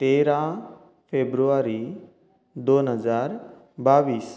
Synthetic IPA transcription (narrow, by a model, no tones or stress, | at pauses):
t̪eɾa | fʰebɾuaɾi | d̪onɦəzaːɾ | baʋiːs